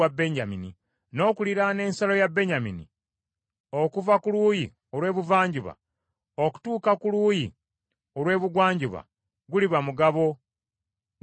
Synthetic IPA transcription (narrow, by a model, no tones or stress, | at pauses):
abːe̞ɲɟamini | no̞ːkuliɾane̞ːnsalo̞jabːe̞ɲaminḭ | o̞kuvakuluːji | olwe̞ːβuvaːɲɟuβa̰ | oku̥tuːkakuluːji | olwe̞ːβuɡwaːɲɟuβa̰ | ɡuliβamuɡaβo̞